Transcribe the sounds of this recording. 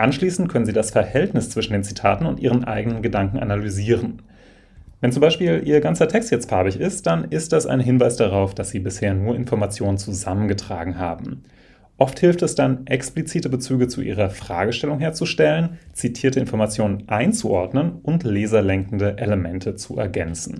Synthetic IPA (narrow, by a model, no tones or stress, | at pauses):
ʔanʃliːsn̩t̚kʰœnənziːdasfɛɐhɛltnɪst͡sv̥ɪʃn̩deːnt͡sitʰaːtn̩ʊntʔiːʁ̞ənʔa̰ɪɡənənɡədaŋkŋ̩ʔa̰nalyziːʁ̞ən | vɛnt͡sʊmbaɪʃpiːlʔiːɐɡant͡sɐtʰɛkstjɛt͡st̚pʰaɐbɪçɪst̚d̥anɪst̚d̥ɛsa̰ɪnɦɪnvaɪsd̥aʁ̞aʊfd̥asz̥iːbɪsheːɐnuːɐʔɪnfɔɐmat͡sjoːnənt͡suzamənɡətʁ̥a̰ːɡŋ̩ɦa̰ːbm̩ | ʔɔfthɪlftɛsd̥anʔɛksplit͡siːtəbət͡syːɡət͡suʔḭːʁɐfʁ̥a̰ːɡəʃtɛlʊŋɦeːɐt͡suʃtɛlənt͡sitʰiːɐtəɪnfɔɐmat͡sjoːnənʔaɪnt͡suʔɔɐdnənʔʊntlɛːzɐlɛŋkn̩dəʔeləmɛntʰət͡suʔɛ̰ɐɡɛnt͡sn̩